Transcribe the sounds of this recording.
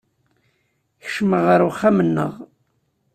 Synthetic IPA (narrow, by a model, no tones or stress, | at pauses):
çə̥ʃməʁəɾwχæmənːə̰ʁ